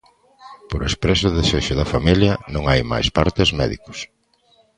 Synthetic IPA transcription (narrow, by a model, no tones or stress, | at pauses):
poɾespɾesʊðeseʃʊðɐfamiljɐnõŋajma̰jspaɾt̪ezmɛ̰ðḭkʊ̥s